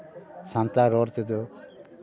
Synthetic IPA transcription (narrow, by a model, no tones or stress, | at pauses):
sãnt̪aɾɔɾt̪ed̪ɔ